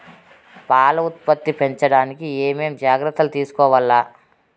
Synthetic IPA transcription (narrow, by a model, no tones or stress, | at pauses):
paːlɐut̪̚pɐt̪ːipe̞ɲt͡ʃɐɽaːnikieːme̞ːmd͡ʒaːɡɾɐt̪ːɐlut̪iːsu̥kɔːʋɐlːaː